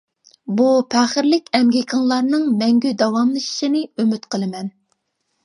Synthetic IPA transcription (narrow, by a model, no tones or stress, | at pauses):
bupʰæχəɾlɪkʲɛmɡʲikʰɑŋlˠɑɾnɨŋmɛŋɡʲyd̪ɑwɑmlˠɨʃi̥ʃinɨømyt̪qʰəlˠɨmɛn